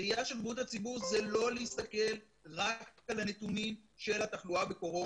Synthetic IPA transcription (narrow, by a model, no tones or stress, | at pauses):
ijaʃelbut̪hat͡sibuʁzelo̞lehist̪ake̞l | ʁakalanet̪unimʃe̞lat̪aχluabeko̞ʁo̞